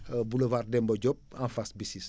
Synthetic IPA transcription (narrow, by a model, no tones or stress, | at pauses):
buləvardɛmbɔd͡ʒɔp̚ãnfasbisis